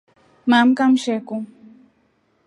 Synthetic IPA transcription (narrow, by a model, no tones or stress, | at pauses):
mamkamʃɛku